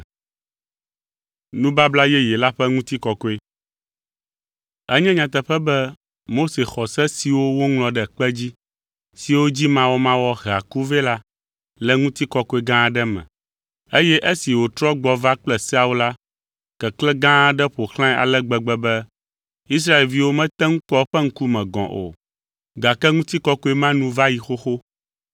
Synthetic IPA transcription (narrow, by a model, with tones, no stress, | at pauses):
nũ˦ba˦bla˦jɛ˦jɛ˨la˦ɸɛ˦ŋũ˦t̪i˦kɔ˨kɔ˦e˦ | ɛ˦ɲɛ̃˦ɲã˨t̪ɛ˨ɸɛ˦bɛ˦ | mo˦se˨xɔ˨sɛ˦si˨wo˦wo˦ŋlɔ̃˨ɖɛ˨k͡pɛ˦d͡ʑi˦ | si˨wo˦d͡ʑi˦mã˦wɔ˦mã˦wɔ˦ɣa̰˨ku˦ve˦la˦ | lɛ˨ŋũ˦t̪i˦kɔ˦ko˦e˦ɡã˦˨ɖɛ˦mɛ̰̃˨ | e˦jɛ˦ʔe˦si˨wo˨t̪ɾɔ˦ɡ͡bɔ˨va˦k͡plɛ˨sa˦wu˦la˦ | kɛ˨klɛ˦ɡã˦˨ɖɛ˦ɸo˨xl̃ã˦a̰˨lɛ˦ɡ͡bɛ˨ɡ͡bɛ˦bɛ˦ | i˦s̬ɾa˦e˨lvi˨˦wo˦mɛ̃˦t̪ɛ˦ŋũ˦k͡pɔ˦ɸɛ˦ŋ̩˦ku˦mɛ̃˨ɡɔ̰̃˨ʔo̰˨ | ɡa˨kɛ˦ŋũ˦t̪i˦kɔ˦ko˦e˦mã˦nũ˦va˦ji˨xo˦xo˦